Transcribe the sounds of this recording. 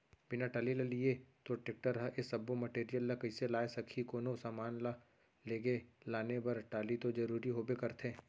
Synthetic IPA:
bɪnaʈaːlilɐliet̪oʈek̚ʈəɾɦɐʔesɐbːomɐʈeːɾijəlːɐkɐɪselaːesɐkʰikoːnosaːmaːnla | leːɡelaːnebɐɾʈaːlit̪od͡ʒɐɾuːɾiɦoːbekɐɾt̪ʰẽː

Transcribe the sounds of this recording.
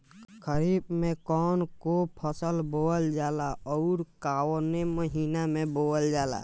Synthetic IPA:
kʰəɾiːbmẽkɔːnkopʰəsəlboːld͡ʒaːlaɔːɾkaːwneməɦinamẽboːəld͡ʒaːla̰

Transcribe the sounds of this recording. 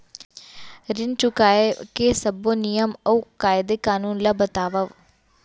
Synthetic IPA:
ɾɪnt͡ʃʊkaːekesəbonɪjəməukaːɪd̪eːkaːnuːnlaːbət̪aːʋəʋ

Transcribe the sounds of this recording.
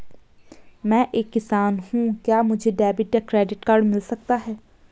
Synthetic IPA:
mɛ̃ːʔeːkːɪsaːnhũːkjaːmʊd͡ʒʱeːɖɛːbɪʈjaːkɾɛːɖɪʈkaːɾɖmɪlsək̚t̪aːɦɛː

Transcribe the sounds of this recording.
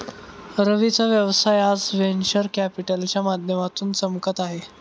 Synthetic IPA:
ɾəʋit͡saʋjəʋsajad͡zʋenɕəɾkæpiʈəlt͡ɕjamad̪ʱjəmat̪uːnt͡səmkət̪aɦe

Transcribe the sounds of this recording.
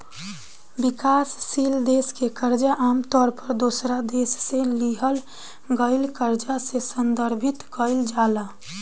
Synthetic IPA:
bɪkaːsːild̪eːskekəɾd͡ʒaʔaːmt̪ɔːɾpəɾd̪oːsɾad̪eːsːeliɦəl | ɡəɪlkəɾd͡ʒasesənd̪əɾbʱɪt̪kəɪld͡ʒaːla

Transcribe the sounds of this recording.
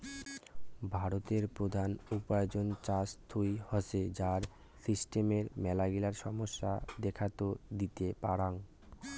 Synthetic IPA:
bʱaɾot̪eɾpɾod̪ʱanupaed͡ʑont͡ɕast̪ʰujhɔsed͡ʑaɾ | sisʈemeɾmɛlaɡilaɾʃɔmoʃːad̪ɛkʰat̪od̪it̪epaɽaŋ

